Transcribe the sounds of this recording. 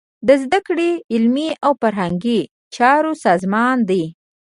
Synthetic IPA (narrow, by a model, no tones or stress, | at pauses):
d̪əzd̪akɽeɪlmiawfaɾɦaŋɡi | t͡ʃɑɾosɑzmɑnd̪i